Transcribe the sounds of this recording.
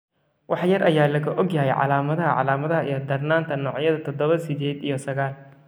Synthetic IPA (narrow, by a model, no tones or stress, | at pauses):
wɑħjɐrʔɐjaːlɐɣɐʔɔɡjaɦɛjʕɑ̰laːmɐðɐɦɐʕɑ̰laːmɐðɐɦɐijɔd̪ɐrnaːnt̪ʰɐnɔːʕjɐðɐt̪ʰɔd̪ɔβɐsɪd̪ɛːd̪ijɔsɐɣaːl